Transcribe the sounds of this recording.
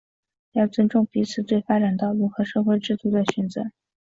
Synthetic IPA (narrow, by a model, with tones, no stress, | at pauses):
jɑ˥˩ʊt͡swə˥nʈ͡ʂʊ˥˩ŋpi˧˥t͡sʰɹ̩˨˩t͡swe˥˩ɪfa˥ʈ͡ʂa˨˩nt̪ɑ˥˩ʊɻu˧˥xɤ˧˥ʂɤ˥˧xwe˥˧ɪʈ͡ʂɻ̩˥˩t̪u˧˥d̪ə˨ɕy˧˥nt͡sə˧˥˦